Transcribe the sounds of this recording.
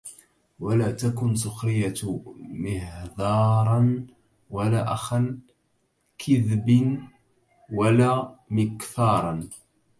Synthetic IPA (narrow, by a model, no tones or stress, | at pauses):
walaːt̪akʊns̬ˤʊxɾɪjːamɪhd̪ɑːɾˤɑn | walaːʔaxan | kʰɪðbn | walaːmɪkθɑːɾˤɑn